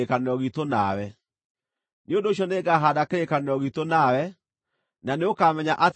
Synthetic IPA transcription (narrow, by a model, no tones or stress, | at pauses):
ekaneɾɔɣitona̰wɛ | neondoːɕjɔneːɡaːɦaːdakeɾekaneɾɔɣitonawɛ | naneokaːmɛɲaʔat